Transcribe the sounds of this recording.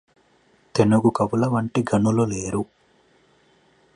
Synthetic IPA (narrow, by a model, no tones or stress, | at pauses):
t̪e̞nuɡukɐʋulɐʋɐɳʈiɡɐnuloleːɾu